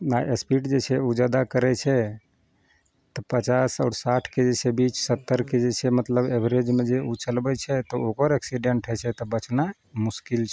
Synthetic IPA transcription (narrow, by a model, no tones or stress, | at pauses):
naʔespiʈd͡ʒet͡ʃʰɛud͡ʒəd̪akəɾɛt͡ʃʰɛ | t̪ɔpət͡ʃasɔ̰ːɾsaʈʰked͡ʒet͡ʃʰebit͡ʃʰsət̪ːəɾked͡ʒet͡ʃʰɛmət̪ləbebʱɾed͡ʒmed͡ʒeut͡ʃəlbɛt͡ʃʰɛt̪ɔokəɾɛksiɖeɳʈɦɛt͡ʃʰɛt̪ɔbət͡ʃna | muskilt͡ʃʰɛ